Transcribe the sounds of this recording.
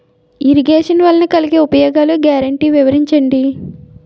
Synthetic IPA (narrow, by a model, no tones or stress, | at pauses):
iɾiɡeːʂɐnʋɐlːɐnɐkɐliɡeːupɐjɔːɡaːluɡjaːɾɐɳʈiːʋiʋɐɾiɲt͡ʃɐɳɖi